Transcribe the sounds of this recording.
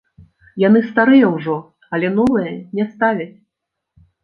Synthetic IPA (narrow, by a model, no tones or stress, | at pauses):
jan̪ɨst̪aɾɨjɐwʐɔ | ɐlʲɛnɔvɨjɐnʲɛst̪avʲɐt͡sʲ